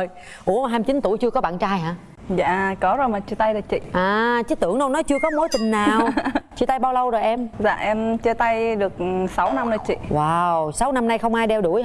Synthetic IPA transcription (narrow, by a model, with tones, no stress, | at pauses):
j | ʔu˧˩ə˩ɦaː˧mt͡ɕi˨˦nt̪u˧˩˨jt͡ɕɨ˧əkɔ˨˦ɓa̰ː˧˨nt͡ɕaː˧jɦaː˧˥ | za̰ː˧˨kɔ˨˦zo˨˩jmaː˨˩t͡ɕi˧˩t̪a˧jlɨ˨˩t͡ɕḭ˧˨ʔaː˨˩t͡ɕi˦˥t̪ɨ˧˩əŋnə˧wnɔ˨˦jt͡ɕɨ˧əkɔ˨˦mo˨˦jt̪ï˨˩ŋ̟naː˨˩wwt͡ɕi˧˩t̪a˧jɓaː˧wlə˧wzo˨˩jʔɛ˧mza̰ː˧˨ʔɛ˧mt͡ɕəː˧t̪a˧jɗɨ˨˩ək̚sa˨˦wna˧mnə˧˩t͡ɕḭ˧˨waː˨˩wsa˨˦wna˧mna˧jxə˧wŋ͡mʔaː˧jɗɛ˧wɗu˧˩əj